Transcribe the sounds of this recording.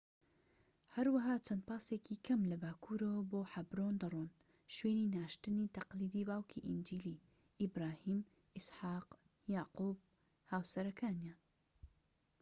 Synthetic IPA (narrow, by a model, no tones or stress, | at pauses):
hɐɾwɐɦaːt͡ʃʰɐnd̪̚pɑːseːkʰikʰɐmlɐbaːkʰuːɾɐwɐboːħɐbɾoːnd̪ɐrˤon | ʃweːninaːʃt̪ɨnit̪ɐqliːd̪iːbaːwkʰiʔind͡ʒiːli | ʔɪbɾaːhiːm | ɪsħaːq | jaːquːb̚ | haːwsɐɾɐkʰaːnjan